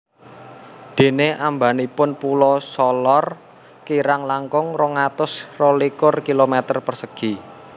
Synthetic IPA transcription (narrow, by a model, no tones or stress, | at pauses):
d̪̥e̤neʔambanipʊnpulɔsɔlɔr | kiɾaŋlaŋkʊŋrɔŋat̪ʊsrolikʊrkilomet̪ərpərsəɡ̥i̤